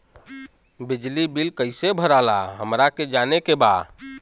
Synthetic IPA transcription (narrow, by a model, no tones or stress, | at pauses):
bid͡ʒlibilkəɪsebʱəɾala̰ɦəmɾaked͡ʒanekeba